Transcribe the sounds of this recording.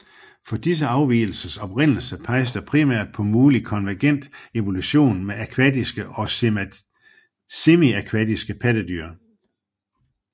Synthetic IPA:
fɒ̽d̥is̬əɑ̈ʊʋḭːl̩sɐsɒ̽b̥ʁen̰l̩sɐpʰɑ̈ɪsd̥ɐpʰʁimæ̰ɐ̰d̥̚pʰɒ̽muːlikʰɒ̽nʋæɐɡ̥en̰d̥e̝ʋo̝luɕo̝̰ːnmeækʰʋæd̥isɡ̥əʔɒ̽ | semiækʰʋæd̥isɡ̥əpʰæd̥əd̥y̰ːɐ

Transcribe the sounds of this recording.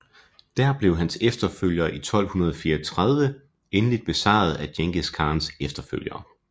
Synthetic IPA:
d̥æɐ̰b̥le̝ʊɦænsefd̥ɐføl̰jɐʔit͡sʰɒ̽l̰hunɐð̞ˠɒfiːɐɐt͡sʰʁað̞ˠʋə | enəlid̥̚b̥e̝sɑ̰̈ːð̞̩ˠæd̥jeŋɡ̥əskʰɑ̈ːnsefd̥ɐfø̰l̰jɐː

